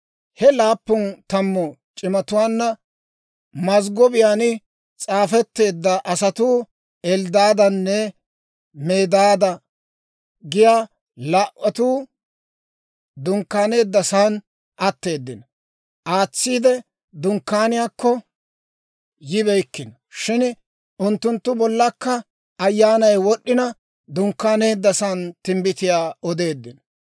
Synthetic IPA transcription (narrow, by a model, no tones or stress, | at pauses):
hɛlaːpːʊnt̪ɐmːɔt͡ʃʼɪmɐt̪ʊwaːnːɐ | mɐzɡɔbɪjaːnɪ | t͡sʼaːfɛt̪ːe̞ːd̪ːɐʔɐsɐt̪uː | ɛld̪aːd̪ɐnːɛ | me̞ːd̪aːd̪ɐ | ɡɪjaː | laːʔɔt̪uː | d̪ʊŋkːaːne̞ːd̪ːɐsaːn | ʔɐt̪ːe̞ːd̪ːɪnɐ | ʔaːt͡sːiːd̪ɛ | d̪ʊŋkːaːnɪjaːkːɔ | jɪβɛjkːɪnɐ | ʃɪn | ʊnt̪ːʊnt̪ːʊbɔlːɐkːɐ | ɐjːaːnɐjwɔɗːɪnɐ | d̪ʊŋkːaːne̞ːd̪ːɐsaːnt̪ɪmbɪt̪ɪjaːɔd̪e̞ːd̪ːɪn